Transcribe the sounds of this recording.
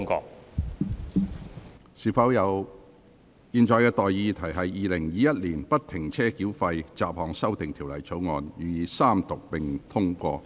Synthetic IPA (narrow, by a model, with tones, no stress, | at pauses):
ŋkɔ̰ː˧ | siː˨˩fɐ˨˥wjɐ˨˧w | jiː˨˧nt͡ʃɔː˨˧jkɛː˧t̪ɔː˨jjiː˧t̪ʰɐ˨˩jɦɐ˨jːiː˨˧lɪ˨˩ŋjiː˨˧jɐ˥t̚liː˨˩npɐ˥t̚t̪ʰɪ˨˩ŋt͡sʰɛː˥kiː˨˥wfɐ˧jt͡saː˨p̚hɔː˨ŋsɐ˥wt̪ɪ˨ŋt̪ʰiː˨˩wlɐ̰˨˩jt͡sʰo˨˥wŋɔː˨˧njyː˨jiː˨˧saː˥mt̪ʊ˨k̚pɪ˨ŋt̪ʰʊ˥ŋkʷɔ̰ː˧